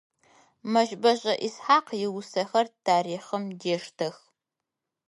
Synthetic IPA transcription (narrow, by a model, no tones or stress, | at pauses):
mɐʒbɐʑʼɐʔɪsħaːqjɪwʊsɐxɐrtʰaːɾiːχəmdeːʂtʰɐx